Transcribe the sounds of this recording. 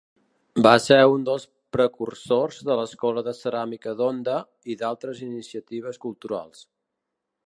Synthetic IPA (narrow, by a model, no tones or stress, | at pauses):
baseund̪əlˠs | pɾəkursorzðələskɔləðəsəɾamikəðond̪ə | iðalˠt̪ɾəzinisiət̪iβ̞əskulˠt̪uɾa̰lˠs